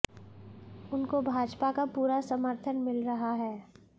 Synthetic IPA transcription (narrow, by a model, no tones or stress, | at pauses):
ʊnkobʱaːd͡ʒpakapuːɾasəməɾt̪ʰənmɪlɾɐɦaɦɛː